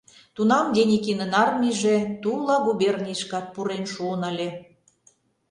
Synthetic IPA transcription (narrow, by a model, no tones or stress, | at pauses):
t̪unɑmd̪ʲenʲikinə̆nɑrmʲiʒĕt̪umlɑɡubʲernʲiʃkɑt̪̚puɾenʃuənɑlʲe